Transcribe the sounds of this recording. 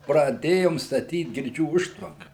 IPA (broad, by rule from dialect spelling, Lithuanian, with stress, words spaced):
prɐˈdʲeːjoːm stɐˈtʲiːt ɡʲɪrʲˈd͡ʒʲuː ˈʊʃtʋɐŋkɐ